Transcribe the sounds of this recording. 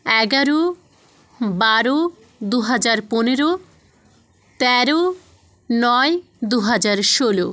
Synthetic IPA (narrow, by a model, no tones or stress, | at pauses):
ɛɡaɾo | baɾo | d̪uɦad͡ʑaɾponeɾo | t̪ɛɾo | nɔe | d̪uɦad͡ʑaɾʃolo